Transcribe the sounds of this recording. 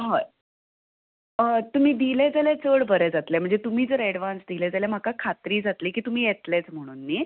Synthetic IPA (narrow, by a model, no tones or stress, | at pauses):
ɦa | ət̪um̤iːd̪iled͡zalet͡səɭʋəɾed͡zat̪lɛm̤əɳd͡zet̪um̤iːd͡zəɾɛɽʋãnsd̪ilɛd͡zalem̤akakʰat̪ɾiːd͡zat̪liːkiːt̪um̤iːjet̪let͡sm̤əɽ̃uːnːiː